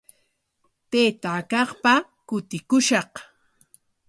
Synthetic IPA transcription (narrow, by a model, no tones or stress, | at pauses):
t̪eːt̪akɑχpa | kʊt̪ɪkʊʃɑq